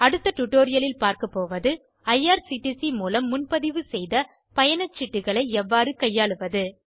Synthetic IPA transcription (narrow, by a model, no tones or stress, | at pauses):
ɐɽɯt̪ːɐʈʊʈːoːɾɪjɐlɪlpaːɾkɐpːoːʋɐðɯ | ɐjaːɾsiʈisimuːlɐmːʊnpɐðɪʋɯsɛjðɐ | pɐjɐnɐt͡ʃːɪʈːɯɣɐɭɐɪɛʋːaːɾɯkɐjːaːɭɯʋɐðɯ